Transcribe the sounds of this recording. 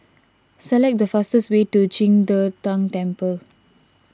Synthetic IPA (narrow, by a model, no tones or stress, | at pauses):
sɛlɛk̚d̪əfastəswetud͡ʒĩŋdətãŋtɛ̃mpəl